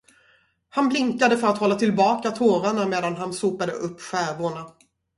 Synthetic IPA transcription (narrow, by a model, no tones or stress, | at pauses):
hanblɪŋkad̪əfœɾat̪hɔlːat̪ʰɪlbɑːkat̪ʰoːɾaɳameːd̪anɦansuːpad̪ə̰ʔɵpːɧæːvʊɳa